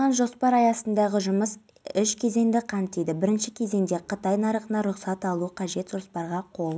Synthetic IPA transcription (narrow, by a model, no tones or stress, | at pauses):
ɑnʒo̞spɑɾɑjɑsənd̪ɑʁəʒʊməs | ʏʃkʲʰe̞ze̞ŋd̪ɪqʰɑnt̪ːejd̪ɪbɪɾɪnʃɪkʲʰe̞ze̞ŋd̪e̞qʰət̪ɑjnɑɾəqənɑɾʊqsɑt̪ɑlˠuqʰɑʒe̞t̪ʒ̥o̞spɑɾʁɑqʰo̞lˠ